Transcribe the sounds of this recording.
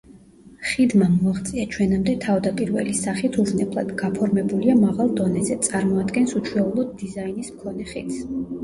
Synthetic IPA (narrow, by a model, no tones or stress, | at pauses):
χid̪mamɔaʁt̪sʼiat͡ʃʰwɛnamd̪ɛt̪ʰavd̪apʼiɾvɛ̰lisaχit̪ʰuʒnɛblˠa̰d̪̥ɡapʰɔɾmɛbuliamaʁalˠd̪ɔnɛzɛt̪sʼaɾmɔad̪ɡɛnsut͡ʃʰwɛulˠɔd̪ːizainismkʰɔnɛχḭt̪s